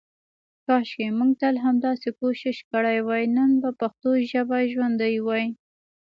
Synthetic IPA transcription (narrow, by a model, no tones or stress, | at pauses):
kɑʃkemuɡ̚t̪əlɦamd̪ɑsekoʃɪʃkəɽajwajnənbapaxt̪oʒabaʒwand̪əjwɑj